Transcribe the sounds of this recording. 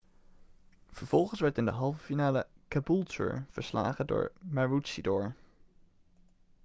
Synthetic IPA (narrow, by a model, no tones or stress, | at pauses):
v̥əɹv̥ɔlˠχənsʋɛɹtɪndəɦɑlˠvəfinaːləkabulˠtø̰ɹv̥əɹsla̰ːχədʊ̰ːɹmaɹusidʊːɹ